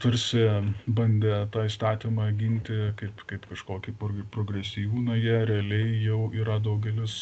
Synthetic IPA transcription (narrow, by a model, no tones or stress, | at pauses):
t̪ɐɾʲsʲɪbɐnʲd̪ʲɛt̪ɑːist̪ɑːt̪ʲimɑːɡʲɪnʲt̪ʲɪkɐɪpkɐɪpkɐʃkoːkʲiːpoɡʲpɾoːɡɾʲɛsʲɪjuːnɐjɛɾʲɛɐlʲɛɪjɛʊiːɾɐd̪ɐʊɡʲɛlʲɪs